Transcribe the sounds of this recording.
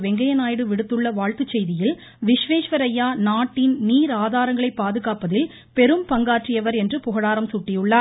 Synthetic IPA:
ʋɛŋɡɐjɐnaːjɪɽɯʋɪɽɯt̪ːɯɭːɐʋaːɭt̪ɯt͡ʃːɛjðɪjɪl | ʋɪʂʋeːʂʋɐɾɐjːaːnaːʈːɪnniːɾaːðaːɾɐŋɡɐɭɐɪpːaːðɯɣaːpɐðɪl | pɛɾɯmpɐŋɡaːʈrɪjɐʋɐɾɛndrɯpʊɣɐɽaːɾɐmsʊʈːɪjɯɭːaːɾ

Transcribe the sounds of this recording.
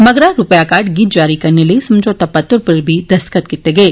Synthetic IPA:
mɐɡɾaɾʊpjakaːɾʈɡiːt̪̚d͡ʒaːɾikɐɾnelɐisɐmd͡ʒʱot̪apɐt̪ːəɾpɐɾbʱid̪ɐst̪kət̪kɪt̪eɡɐeː

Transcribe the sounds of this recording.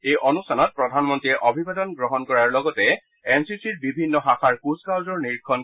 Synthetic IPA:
ejʔɔnustʰanɔt̚pɹɔdʱanmɔntɹiɛʔɔbʱibadɔnɡɹɔɦɔnkɔɹaɹlɔɡɔtɛ | ɛnsisiɹbibʱinːɔɦaxaɹkuskawzɔɹniɹkʰːɔn

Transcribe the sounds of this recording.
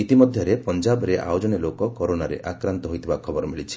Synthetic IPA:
it̪imɔd̪ʱjɔɾepɔnd͡ʒabɔɾeʔa̰jod͡ʒɔnelokɔkɔɾonaɾḛʔakɾant̪ɔɦojt̪ʰibakʰɔbɔɾɔmiɭit͡ʃʰi̥

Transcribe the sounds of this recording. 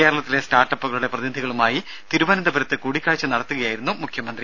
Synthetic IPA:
eːɾɐɭɐt̪ːile̞staːrʈːɐpːuɣɐɭuɽe̞prɐðinid̪ʱiɣɐɭumaːji | t̪iɾuʋɐnɐnd̪ɐbʱɐɾɐt̪ːɨkuːɽikʲːaːɻt͡ɕːɨnɐɽɐt̪ːuɣɐjaːjiɾunːumukʰjɐmɐnd̪ri

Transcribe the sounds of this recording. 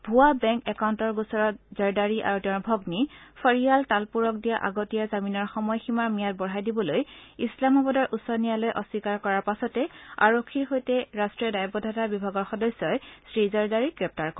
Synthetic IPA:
bʱuwabɛŋkɛkawntɔɹɡusɔɹɔtzɔɹdaɹiʔa̰ɹutɛɔ̃ɹbʱɔɡnifʰɔɹialtalpuɹɔk̚dijaʔaɡotijazaminɔɹxɔmɔjximaɹmijat̚bɔɦajdibɔlojislamɔbɔdɔɹʔusɔnijalojʔɔswikaɹkɔɹaɹpasɔtɛa̰ɹokʰːiɹɦojtɛɹastɹijɔdajbɔdʱatabibʱaɡɔɹxɔdɔsɔjsɹizɛɹdaɹiɡɹɛp̚taɹk

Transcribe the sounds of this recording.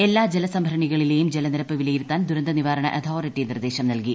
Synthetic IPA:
e̞lːaːd͡ʑelɐsɐmbʱɐɾɐɳiɣɐɭile̞ːjumd͡ʑelɐniɾɐpːɨʋilɐjiɾut̪ːaːnd̪uɾɐnd̪ɐniʋaːɾɐɳɐ̰ʔɐt̪ʰoːritːinird̪e̞ːɕɐmnɐlki

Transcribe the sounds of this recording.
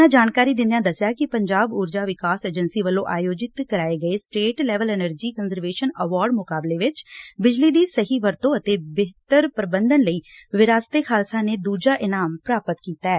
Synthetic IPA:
ãːd͡ʒaːnkaːɾiːd̪ɪ̃nd̪ijãːd̪əsjaːkɪpəɲd͡ʒaːbʊːɾd͡ʒaːʋɪkaːseːd͡ʒənsiːʋəlːõːʔaːjoːd͡ʒɪt̪kəɾaːeːɡəeːsʈeːʈlɛːʋəlɛːnəɾd͡ʒiːkənzəɾʋeːʃənəʋaːɾɖmʊkaːbleːʋɪt͡ʃbɪd͡ʒliːd̪iːsəɦiːʋəɾt̪õːət̪eːbeɦt̪əɾpəɾəbənd̪ənləiːʋɪɾaːst̪eːkʰaːlsãːneːd̪uːd͡ʒaːʔɪnaːmpɾaːpət̪kiːt̪aːɛː

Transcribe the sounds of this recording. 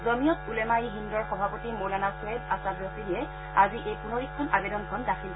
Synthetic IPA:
zɔmijɔtulɛmaiɦindɔɹxɔbʱapɔtimowlanaswɛbasabjɔk̚tiliɛ | aziʔejpunɔɹikʰːɔnabedɔnkʰɔndakʰil

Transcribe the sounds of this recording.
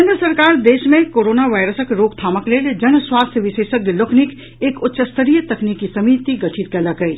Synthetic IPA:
ẽnd̪ɾəsɐɾkaːɾd̪eːʃmẽkoːɾoːnaʋaːɪɾəsəkɾoːk̚t̪ʰaːməkleːld͡ʒɐnswaːst̪ʰjəʋɪʃeːʃəklokʰnik | eːkʊtːʃəst̪ʰəɾijət̪ɐkniːkisɐmiːt̪iɡɐʈʰit̪̚kəlaɡəi

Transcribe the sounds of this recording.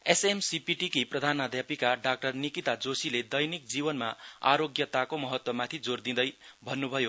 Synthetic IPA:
esemsipiʈikiprʌd̪ʱanːad̪ʱjapikaɖak̚ʈʌrnikit̪ad͡zosiled̪ʌjnik̚d͡zibʌnmaa̰ɾoɡjʌt̪akomʌɦʌt̪wʌmat̪ʰid͡zord̪ĩd̪ʌjbʱʌnːubʱʌjo

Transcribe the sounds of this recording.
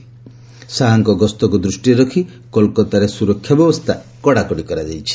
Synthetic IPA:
saɦaŋkɔɡɔst̪ɔkud̪ɾusʈieɾɔkʰi | kɔlkɔt̪aɾesuɾɔkʰːjɔbjɔbɔst̪ʰakɔɽakɔɽikɔɾad͡ʒajt͡ʃʰi̥

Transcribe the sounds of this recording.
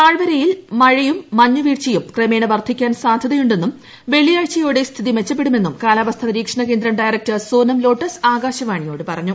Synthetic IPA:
aːɻʋɐɾɐjilmɐɻijumːɐɲːuʋiːrt͡ɕɐjumkremeːɳɐʋɐrd̪ʰʱikʲːaːnsaːd̪ʱɐðɐjuɳɖe̞nːum | ʋe̞ɭijaːɻt͡ɕɐjoːɽest̪ʰiðimet͡ɕːɐp̬ːe̞ɽume̞nːumkaːlaːʋɐst̪ʰɐʋɐɾiːkʂɐɳɐke̞ːnd̪ɾɐmɖaːjɾɐk̚tɐsoːnɐmlo̞ːʈːɐsaːɡaːɕɐʋaːɳijo̞ːɽɨpɐrɐɲːu

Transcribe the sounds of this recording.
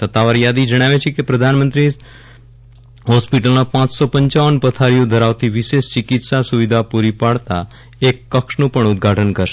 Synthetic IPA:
sət̪aʋaɾjad̪id͡ʒəɽ̃aʋet͡ʃʰekepɾəd̪ʱanmənt̪ɾi | ɦɔspiʈəlnapãt͡ʃsopəɲt͡ʃaʋənpət̪ʰaɾijõd̪ʱəɾaʋt̪ʰiʋɪʃeʃt͡ʃɪkit̪sasuʋid̪ʱapuɾipaɭt̪a | ekːəkʃnũpəɳʊd̪̚ɡʱaʈʰənkəɾʃe

